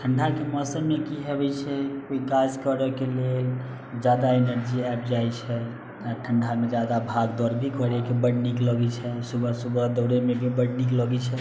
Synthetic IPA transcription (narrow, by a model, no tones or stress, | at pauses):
ʈʰəɳɖʱakeməsənmekiɦebɛt͡ʃʰɛkoikad͡ʒkəɾɛkelel | d͡ʒad̪aenəɾd͡ʒiɛp̚d͡ʒajt͡ʃʰɛ | aʈʰəɳɖʱamed͡ʒad̪abʱaɡd̪ɔɾbʱikʰəɾekebəɽnikləɡɛt͡ʃʰɛsubəsubəd̪əʊɽemebʱibəɽnikləɡɛt͡ʃʰɛ